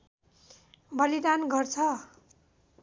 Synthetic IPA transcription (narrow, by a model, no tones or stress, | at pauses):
bʌlid̪anɡʌrt͡sʰʌ